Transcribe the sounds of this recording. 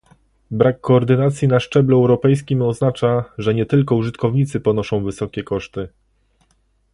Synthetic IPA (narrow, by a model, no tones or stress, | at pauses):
bɾakːɔːɾd̪ɘnat̪sʲjinaʂt͡ʂɛbluɛwɾɔpɛjs̬kʲimɔznat͡ʂaʐɛɲɛt̪ɘlkɔuʐɘt̪kʰɔvɲit̪sɘpɔnɔʂɔ̃w̃vɘsɔkʲɛkɔʂt̪ɘ